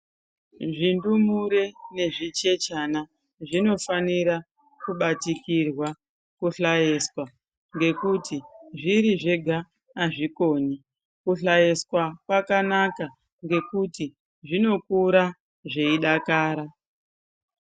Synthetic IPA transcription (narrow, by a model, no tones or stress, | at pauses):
ʐindumuɾene̞ʐit͡ʃe̞t͡ʃana | ʐino̞faniɾa | kuɓatikirwa | kuɬajeskwa | ŋɡe̞kutiʐiɾiʐe̞ɡʱaː | ʐiko̞ːɲi | kuɬajeskwakwakanaka | ŋɡe̞kuti | ʐino̞kuɾa | ʐe̞iɗakaːɾa